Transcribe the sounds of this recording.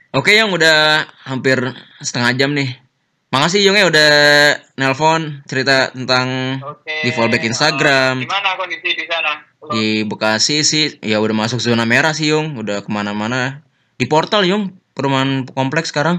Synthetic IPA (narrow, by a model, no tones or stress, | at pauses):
ʔokejʊŋudahhampɪrsə̥t̪əŋad͡ʒamnɪh | makas̬ijʊŋjauda | nɛlfɔnt͡ʃəɾit̪at̪ənt̪aŋdifɔlbɛkinst̪aɡɾamana | dibəkasisɪjaudahmasʊk̚zonameɾas̬ijʊŋudahkəmanamana | dipɔrt̪aljʊŋpəɾumaɦankɔmplɛksə̥kaɾaŋ